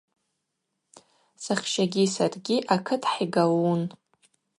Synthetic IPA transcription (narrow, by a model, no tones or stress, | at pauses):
saχʲʃaɡʲisarɡʲiʔakʰɨtʰħiɡalun